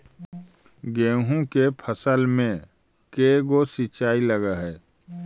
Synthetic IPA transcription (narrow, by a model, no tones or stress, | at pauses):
ɡẽːɦũkepʰəsəlmẽ | keːɡosit͡ʃaːilɐɡaɦɛː